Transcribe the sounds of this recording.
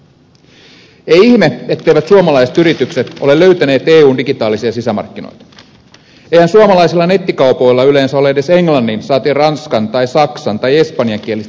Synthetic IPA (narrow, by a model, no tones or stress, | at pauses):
ejiçmeet̪ːe̞jʋæt̪suomɑlɑiset̪yɾit̪ykset̪o̞le̞lø̞yt̪æneːt̪e̞ːuːndiɡit̪ɑːlisiɑsisæmɑ̰rkːino̰jt̪ɑ̥ | ejhænsuomɑlɑjsilːɑne̞t̪ːikɑupo̞jlːɑyleːnsæo̞leede̞se̞ŋlɑnːinsɑːt̪iːrɑnskɑnt̪ɑjsɑksɑnt̪ɑje̞spɑnjɑŋk̟ielis